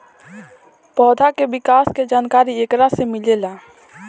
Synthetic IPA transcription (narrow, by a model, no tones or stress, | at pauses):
pɔːd̪ʱakebɪkaːsked͡ʒaːnkaːɾieːkɾasemɪleːlaː